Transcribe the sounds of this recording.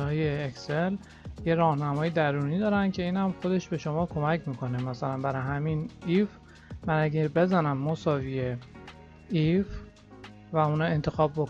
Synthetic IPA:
ɒːjeːksel | je̞ɾɒːhnæmɒːjed̪æɾuːniːd̪ɒːɾænd̪cʲʰe̞iːnhæmxo̞d̪e̞ʃbe̞ʃo̞mɒːkʰo̞mæcʰmiːkʰo̞nemæsælænbæɾɒjɦæminif | mænæɟebe̞zænæmːosɒːvije | if | væunɒːe̞nt̪ʰe̞xɒːb̚bok

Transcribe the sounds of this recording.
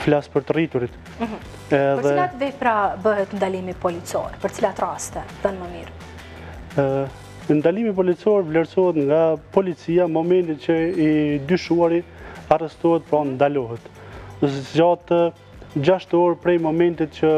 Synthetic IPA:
flaspəɾt̪ərit̪uɾit̪ | ɛəðɛat̪vɛpɾabəɦɛt̪nd̪alimipɔlit͡sɔ̰ɾpəɾt͡silat̪rast̪ɛðənməmiɾ | nd̪alimip̬ɔlit͡sɔɾvlɛɾsɔɦɛt̪ŋɡapɔlit͡siamɔmɛnt̪it̪t͡ɕəid̪yʃuaɾiarɛst̪ɔhɛt̪̚pɾɔnd̪alɔɦɛt̪ | zd͡ʑat̪ə | d͡ʑaʃt̪ɔɾpɾɛjmɔmɛnt̪it̪t͡ʃə

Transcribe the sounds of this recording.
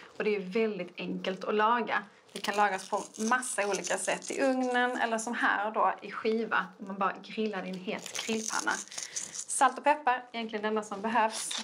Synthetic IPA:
ɔd̪ɛːjɵvɛld̪ɪt̪ɛŋkəlt̪ɔlɑːɡa | d̪̥ɛkʰanlɑːɡaspʰɔmasːauːliːkasɛt̪ːɪ̰ʔɵŋnənɛ̰lːəʂɔmɦæ̰ːɾd̪oʔɪɧiːva̰d̪ɛmanbɑːɾa̰ɡɾɪlːad̪ɪnɦeːt̪kʰɾɪlːpʰa̰nːa̰ː | alt̪ɔpʰɛpːaɾɛjɛnklɪɡənɛnd̪asɔmbɛɦøːvs

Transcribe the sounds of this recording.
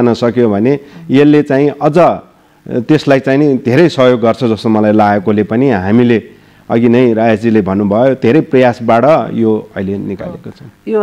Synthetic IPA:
nʌsʌkjobʱʌnejelːet͡saĩʔʌd͡zʌ | t̪eslajt͡sainid̪ʱeɾʌjsʌɦjoɡːʌrt͡sʰʌd͡zʌsomʌlajlaɡekolepʌniɦamile | ʌ̰ɡinʌj̃ɾajad͡zilebʱʌnːubʱʌjod̪ʱeɾʌjprʌjasbaʈʌjoʌ̰ilenika̰lḛkot͡sʰʌ̃w̃

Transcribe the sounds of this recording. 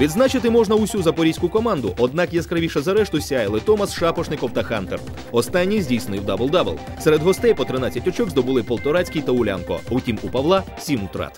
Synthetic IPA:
ʋʲid̪znat͡ʃɪt̪ɪmɔʒnɐʊsʲuzɐpɔɾʲijsʲkʊkɔmɑnd̪ʊ̰ʔɔd̪̚nɑkjɛskɾɐʋʲiʃɐzɐɾɛʃt̪ʊsʲajlˠɪt̪ɔmɐsʃɑpɔʃnɪkɔwt̪ɐxant̪er | ɔst̪anʲːijzʲdʲijsnɪwd̪abɪlˠd̪ɑbḛlˠsɛɾed̪ɦɔst̪ɛjpɔt̪ɾɪnat͡sʲːɐtʲɔt͡ʃɔɡzd̪ɔbʊlˠɪpɔlˠt̪ɔɾat͡sʲkʲijt̪ɐʊlʲa̰nkɔ̰utʲimupɐʋlˠɑ | sʲimʊt̪ɾɑ̰t̪

